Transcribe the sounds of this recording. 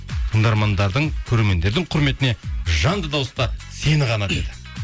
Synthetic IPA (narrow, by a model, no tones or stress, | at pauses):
t̪ʰəɴd̪ɑɾmɑnd̪ɑɾd̪əɴkʲʰɵɾe̞ɾme̞nd̪e̞ɾd̪ɪɴqʰʊɾme̞t̪ɪne̞ʒɑnd̪əd̪ɑwəst̪ɑsenəʁɑnɑt̪ed̪ɪ